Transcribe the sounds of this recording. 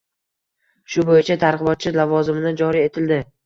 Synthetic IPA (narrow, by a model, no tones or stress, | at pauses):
ʃʊbojɪt͡ʃʰat̪ʰaɾʁɨbɒt̪̚t͡ʃʰɪlavɒzɪmɪnɪd͡ʒɒɾie̞t̪ʰɪld̪ɪ